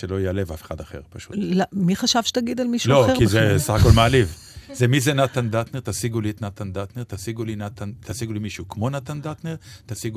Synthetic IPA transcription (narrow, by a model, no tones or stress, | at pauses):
ʃelo̞jealevafe̥χad̪aχe̞̰ʁpaʃu̥̰t̪lamiχaʃavʃe̥t̪aɡid̪almiʃulo̞kizesaχakolmaaliv | zemizenat̪and̪at̪neʁt̪asiɡuliet̪nat̪and̪at̪neʁt̪asiɡulinat̪ant̪asiɡulimiʃukmo̞nat̪and̪at̪neʁt̪asiɡu